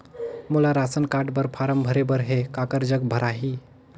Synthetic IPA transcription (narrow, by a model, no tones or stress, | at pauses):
mulaɾasənkaʈbəɾpʰaɾəmbʱəɾebəɾɦekakəɾd͡ʒəɡbʱəɾaɦi